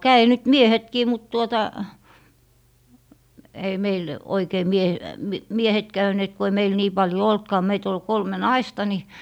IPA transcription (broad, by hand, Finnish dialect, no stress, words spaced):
kæi nyt miehetkiː mut tuotɑ ei meil oikei mie m miehet kæyneːt ku ei meil niː pɑljo oltkɑː meit ol kolme nɑistɑ ni